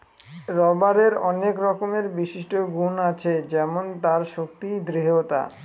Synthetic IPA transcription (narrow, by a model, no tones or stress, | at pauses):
ɾɔbaɾeɾɔnekɾɔkomeɾbiʃiʃʈoɡunat͡ɕʰed͡ʑɛmont̪aɾʃok̚t̪id̪ɾeɦot̪a̰